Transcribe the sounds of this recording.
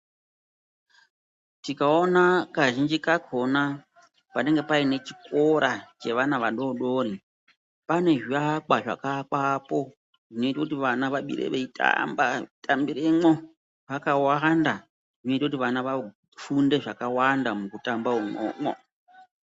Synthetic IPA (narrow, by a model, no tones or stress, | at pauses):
tikao̞nakaʒind͡ʒikakʰo̞na | pane̞ŋɡepaine̞t͡ʃiko̞ɾat͡ʃe̞ʋanaʋaɗo̞ɗo̞ɾi | pane̞ʐiakaʐa̰kakapo̞ | ʐ̥ino̞itakutiʋanaʋaɓḭɾḛʋeita̰mba̰tambiɾemo | ʋakawanda | ʐino̞itakut̬iʋanaʋa | funde̞ʐakawandamukutambaumo̰ːmo̰